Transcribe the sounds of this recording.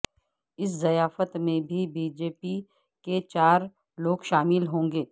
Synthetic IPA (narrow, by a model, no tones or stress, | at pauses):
ɪs̬zɐjaːfət̪mẽbʱibiːd͡ʒeːpi | ket͡ʃaːɾ | loːɡʃaːmɪlɦõːŋɡeː